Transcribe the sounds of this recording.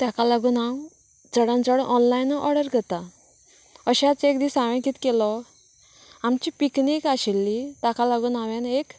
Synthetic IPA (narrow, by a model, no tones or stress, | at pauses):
t̪jakalaɡuːnãw | d͡zəɽãnd͡zəɽʔɔnlajnːɔʔɔɽəɾɡʱət̪a | əɕat͡sekd̪iːsaʋãkiːt̪kelɔ | amt͡ɕipiknikaɕilːit̪akalaɡuːnaʋjanek